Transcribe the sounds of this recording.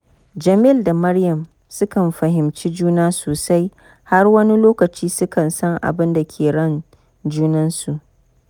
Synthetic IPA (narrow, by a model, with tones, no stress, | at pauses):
d͡ʒɐ˨mi˦˨lda˨mɐ˦rjɐ˨m | sʊ˦kɐ˨mɸɐ˨ɦɪ˨mt͡ʃi˦d͡ʒuː˦naː˦soː˨sa˦j | ha˦rwɐ˦ni˦loː˦kɐ˨t͡ʃiː˦sʊ˦kɐ˨nsɐ˦ŋʔa̰˨bɪ˦nda˨kʲʰeː˨ɽɐ˦˨n | d͡ʒuː˦nɐ˦nsu˨ʔ